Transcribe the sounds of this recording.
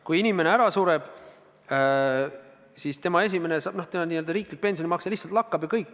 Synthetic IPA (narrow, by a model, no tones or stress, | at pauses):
kujinʲime̞ne̞æɾɑsuɾe̞b̥ | sist̪e̞mɑe̞s̬ʲime̞nesɑːb̥noht̪eniːøld̪ɑɾiːklik̚pe̞nsjonimɑksɑlihsɑlt̪lɑkːɑb̥jɑkɤjkːˑ